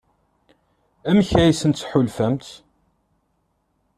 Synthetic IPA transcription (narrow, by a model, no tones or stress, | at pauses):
æmçæjisənt̪ħʊlfæmt̪